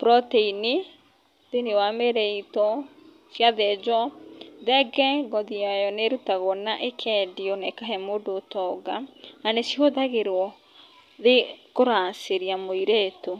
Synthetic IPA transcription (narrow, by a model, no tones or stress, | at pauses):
pɾɔteini | ðenewameɾɛitɔ | sjaðɛd͡ʒɔðɛɡɛɡɔðiajɔneɾutaɣɔnaʔekʰɛdiɔnɛkaɦɛmodoːtɔɡaanesioðaɣeɾwɔ | ðekoɾaːseɾiamoiɾeːto